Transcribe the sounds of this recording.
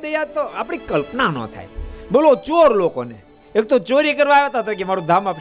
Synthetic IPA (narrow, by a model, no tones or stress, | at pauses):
d̪əjat̪oapɽ̃ikəlpnanɔ̰̃t̪ʰa̰jbolot͡ʃoɾloko̰nḛ | ek̚t̪ot͡ʃoɾikəɾʋajet̪at̪okemaɾũd̪ʱamap